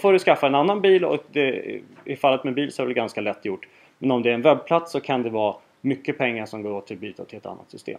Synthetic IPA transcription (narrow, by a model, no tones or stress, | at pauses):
foːɾɵskafːaɛnanːanbiːlɔ̰k̚d̪ɛ̰ɪfalːət̪mɛbiːlsɔæɾvɛɛɡanskalɛt̪ːjʊʈː | mɛnɔmd̪ɛːɾɛnvɛbːpʰlat̪sɔkʰand̪ɛvɑː | mʏkːəpʰɛŋːaʂɔmɡoːɾoːt̪ʰːɪlbyːt̪at̪ʰɪlɛt̪a̰nːa̰t̪sʏst̪ḛːm